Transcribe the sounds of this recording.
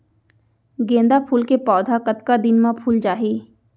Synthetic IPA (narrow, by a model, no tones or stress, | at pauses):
ɡẽːnd̪apʰuːlkepɔːd̪ʱakət̪kad̪ɪnmãpʰuːld͡ʒaːɦiː